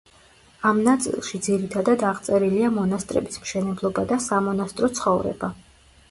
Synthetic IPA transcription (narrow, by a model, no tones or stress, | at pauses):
amnat̪sʼḭlˠʃid̪ziɾit̪ʰad̪ad̪aʁt̪sʼɛɾiliamɔnast̪ʼɾɛ̰bismʃɛnɛblˠɔbad̪asamɔnast̪ʼɾɔt̪sʰχɔvɾɛ̰ba